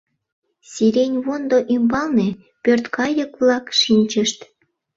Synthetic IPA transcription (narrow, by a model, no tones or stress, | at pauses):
sʲiɾʲenʲβond̪oʔymbɑlne | pørt̪kɑjɤ̆kβlɑkʃinʲt͡ɕə̆ʃt̪